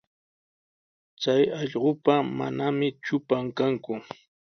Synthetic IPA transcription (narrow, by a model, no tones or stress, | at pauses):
t͡sajɑʎɢopama̰namɪt͡ʃʊpaŋkaŋkʊ